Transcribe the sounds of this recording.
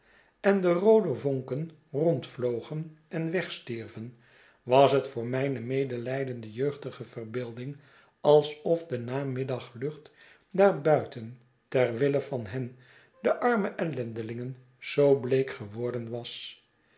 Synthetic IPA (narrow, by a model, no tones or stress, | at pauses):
ɛndərowdəvɔŋkən | rɔntflowχənʔɛnʋɛχstiɹvən | ʋɑsɦətfʊːɹmɛjnəmejdəlɛjdəndəjøɥχtəχəvərbɪːlˠdɪŋ | ɑlˠsɔfdənaːmɪdɑχlɵχt | daːɹbœɥtən | tɛrʋɪləvɑnɦɛn | dəʔɑɹməʔɛlɛndəlɪŋən | z̥owblejkχəʋɔɹdənʋɑs